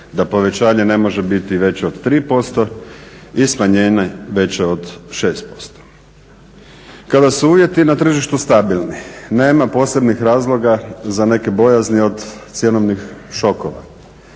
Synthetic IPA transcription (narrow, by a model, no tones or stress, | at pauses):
d̪apo̞ʋe̞t͡ɕaːɲe̞ne̞mo̞ʒe̞bit̪iʋe̞t͡ɕeod̪t̪ɾiːpo̞st̪o̞ | ismaɲeːnaʋe̞t͡ɕeod̪ʃe̞ːst̪̚po̞̥st̪o̥ | kad̪asuuːʋje̞t̪inat̪r̩ʒiʃt̪ust̪abilˠnine̞ːmapo̞ːse̞bnixɾaːzlˠo̞ɡazane̞kebo̞jaznio̞d̪t̪sje̞noʋnixʃo̞koʋa̰